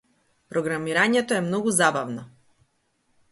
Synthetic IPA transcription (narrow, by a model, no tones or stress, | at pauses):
pɾɔɡɾamiɾaɲɛt̪ɔɛmnɔɡuzabavnɔ